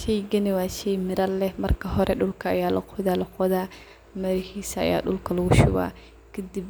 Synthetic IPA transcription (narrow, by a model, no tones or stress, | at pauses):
ʃɛjɡɐnɪwaːʃɛjmɪɾɐlːɛmɐrkʰɐɦɔɾʔɛɗʊlkʰɐːjaːlɐ̰qʰɔðaːlɐqʰɔðaː | mɐɾɪhiːsɐa̰ja̰ːɗʊlkʰɐlɔɣʊʃʊ̰wa̰ː | kʰɪd̪ib